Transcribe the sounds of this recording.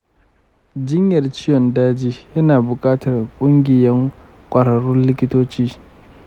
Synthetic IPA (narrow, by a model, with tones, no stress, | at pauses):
d͡ʒɪ˦ɲjɐ˨rt͡ʃɪ˦jɔ˨ndaː˦d͡ʒiː˦jɐ˦naː˨bʊ˨kʼaː˦tɐ˨rkʷʼʊ˦ŋɡʲɪ˨jɐ˦ŋ | kʷʼɐ˨ɽɐ˨ɽʊ˦nlɪ˦kʲɪ˦toː˦t͡ʃiː˦